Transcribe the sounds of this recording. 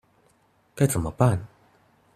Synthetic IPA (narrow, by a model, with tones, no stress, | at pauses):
ka˥˩jt͡sa˨˩˦mə˧˩pa˥˨n